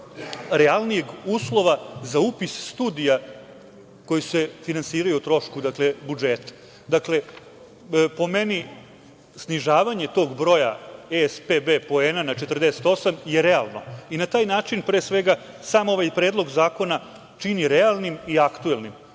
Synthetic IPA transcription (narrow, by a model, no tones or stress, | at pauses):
ɾealˠnijeɡuːslˠo̞ʋazaupisːt̪uːd̪ija | ko̞jisefinansiːɾajut̪ɾo̞ʃkud̪akle̞bud͡ʒeːt̪ḁ | d̪akle̞ | po̞meni | sniʒaːʋaɲe̞t̪o̞ːɡbɾo̞jaespebepo̞eːnanat͡ʃet̪ərd̪ese̥t̪o̞samje̞ɾealˠno̞̰inat̪aːjnaːt͡ʂinpɾeːsʋe̞ɡa | saːmo̞ʋajpɾe̞ːd̪lˠo̞ɡzaːko̞na | t͡ʂiniɾɛalˠnimiakt̪uelnim